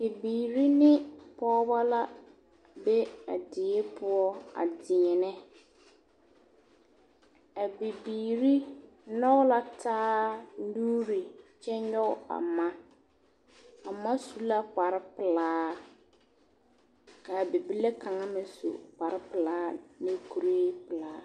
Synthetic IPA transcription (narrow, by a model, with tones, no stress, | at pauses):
ki˨biː˨ɾi˦nɪ˦pɔː˦ba˦la˦ | be˦a̰˨dɪ˨ɛ˦pʰʊ˦ɔ˦a̰˨dɪ˨ɲɛ˨nɛ˦ | a˨bi˨biː˨ɾi˦ | nɔ˦la˨tʰaː˦duː˦ɾi˨t͡ʃɛ˦ɲɔ˦a̰˨ma˦ | a˨ma˦su˦la˦pa˨ɾɪ˦pɪ˨laː˦ | ka˨bi˨bi˦le˦ka˨ŋa˦mɪ˨sṵ˨pa˨ɾɪ˦pɪ˨laː˨˦ne˦ku˨ɾeː˦pɪ˨laː˨˦